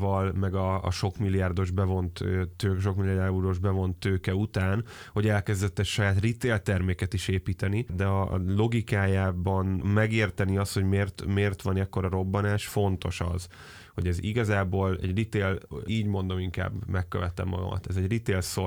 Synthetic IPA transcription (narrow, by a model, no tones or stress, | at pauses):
vɒlmɛɡɒ̰ːʃo̞kmilːijaːrd̪o̞ʒbɛvo̞nt̪ːøːʃo̞kmilːiaːuɾoʒbɛvo̞nt̪ːøːkɛut̪aːn | ho̞ɟɛlkɛzd̪ɛt̪ːɛcʃɒjaːt̪rit̪eːlt̪ɛrmeːkɛt̪iʃeːpiːt̪ɛnid̪ɛɒ̰lo̞ɡikaːjaːbɒnmɛɡeːrt̪ɛniɒst̪ho̞ɟmeːrt̪meːrt̪ʋɒnɛkːo̞ɾɒɾo̞bːɒnaːʃfo̞n̪t̪o̞̰ʃɒ̰z | ho̞ɟɛziɡɒzaːboːlɛ̰ɟrit̪eːliːɟmo̞n̪d̪o̞miŋka̰ːbmɛkːøvɛt̪ɛ̰mːɒ̰ɡɒ̰mɒ̰t̪ɛzɛɟrit̪eːlso